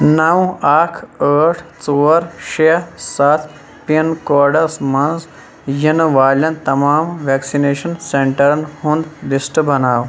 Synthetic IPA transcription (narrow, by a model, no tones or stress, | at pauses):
nɐwaːkʰəːʈʰt͡soːɾʃesɐt̪ʰ | pinkoːɾɖɐsmɐnz | jinʋaːlʲɐnt̪ɐmaːmʋeːksineːʃɐnseɳʈɐɾɐnhũnd̪lisʈɨbɐnaːw